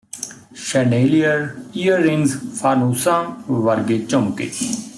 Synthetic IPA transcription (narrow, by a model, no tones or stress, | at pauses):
ʃɛneːlijəɾijəɾɪŋzfʰaːnuːsãːʋɐɾɡet͡ʃõmkḛː